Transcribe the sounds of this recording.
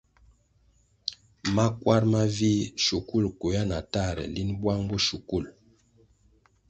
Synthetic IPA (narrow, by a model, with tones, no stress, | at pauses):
ma˦kwa˦ɾma˦vi˦ʃu˨ku˦lku˨ja˦na˨ta˦˨ɾɛ̰˨li˦nbwa˦ŋbu˦ʃu˨ku˦˨l